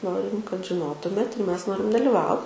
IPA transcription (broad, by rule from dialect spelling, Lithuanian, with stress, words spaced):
ˈnoːrʲɪm kɐt ʒʲɪˈnoːtʊmʲeːt ɪr ˈmʲɛs ˈnoːrʲɪm dɐlʲɪˈʋɐʊ